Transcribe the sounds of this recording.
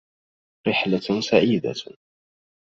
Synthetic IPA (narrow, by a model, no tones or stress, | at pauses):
ɾɪħlasaʕid̪a̰